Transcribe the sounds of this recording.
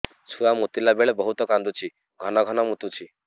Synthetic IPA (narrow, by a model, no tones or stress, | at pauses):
t͡ʃʰuamut̪ilabeɭebɔɦut̪ɔkand̪ut͡ʃʰi | ɡʱɔnɔɡʱɔnɔmut̪ut͡ʃʰi